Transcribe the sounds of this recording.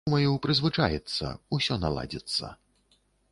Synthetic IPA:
mɐjɛwpɾɨzvɨt͡ʂajɛt̪sːɐ̰usʲɔnalˠa̰d͡zʲɛt̪sːɐ̰

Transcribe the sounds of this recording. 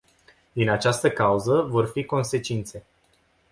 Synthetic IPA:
d̪inat͡ʃast̪əkauzəvo̞rfiko̞nse̞t͡ʃint̪se̞

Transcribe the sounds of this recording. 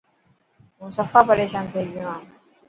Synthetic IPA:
ɦũːsəfaːpəɾeːʃaːnt̪ʰeːɡɪjũãː

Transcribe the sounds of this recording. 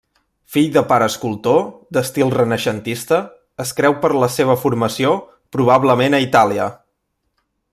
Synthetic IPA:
fiʎd̪əpaɾəːskulˠt̪od̪əst̪ilˠrənəʃənt̪ist̪əː | skɾɛwpəɾləseβ̞əfuɾməsio | pɾuβ̞aβləmenəit̪aliə

